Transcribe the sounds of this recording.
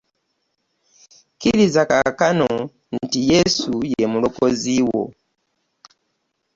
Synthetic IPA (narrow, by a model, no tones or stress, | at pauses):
kilizakakanɔ | n̩tijɛsujɛmulɔkɔziwɔ̰